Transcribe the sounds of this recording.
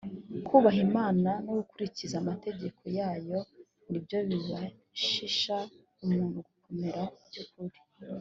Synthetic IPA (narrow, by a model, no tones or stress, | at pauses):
kʰuːβaɦimaːnanoɡukuɾicizamate̞ɟe̞kʰo̞jaːjo̞ | nibjo̞βiβa | ʃiʃa | umuːnhuɡuko̞meɾaubɟukuɾi